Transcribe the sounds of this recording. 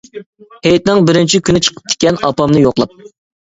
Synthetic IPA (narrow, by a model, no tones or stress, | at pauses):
hejt̪̚nɪŋbɪɾɪnt͡ʃʰikʲʰynɪt͡ʃʰə̥qʰə̥p̚d̪̥ʰɪ̥kʲɛnɑpɑmnɨjoqlˠɑp̚